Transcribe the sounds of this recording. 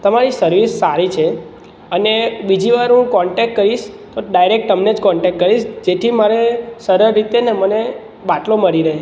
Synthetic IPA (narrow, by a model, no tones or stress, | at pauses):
t̪əmaɾisəɾʋisːaɾit͡ʃʰe | ənebid͡ʒiʋaɾɦũkɔɳʈɛk̚ʈ̚kəɾiʃt̪oɖajɾek̚ʈːəmned͡ʒkɔɳʈɛkʈ̚kːəɾiʃd͡ʒet̪ʰimaɾesəɾəɾːit̪eneməne | baʈloməɾiɾəɦe